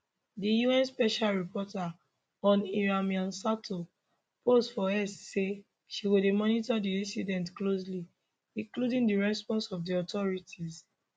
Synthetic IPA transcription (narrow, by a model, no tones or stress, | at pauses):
dijuɛ̃nspɛʃalɹipʰɔta | ɔ̃niɹamiãnsatʰo | postfɔɛsse | ʃiwidemɔnitadiĩnsidɛ̃ntklos̬li | ĩŋkludĩŋdiɹɛspɔ̃nsɔvdiɔtɔɹitʰiz